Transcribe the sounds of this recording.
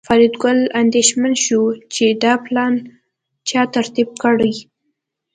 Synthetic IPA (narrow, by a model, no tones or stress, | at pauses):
fɑɾid̪ɡʊland̪eʃmanʃut͡ʃed̪ɑplɑn | t͡ʃɑt̪aɾt̪ib̚kəɽəj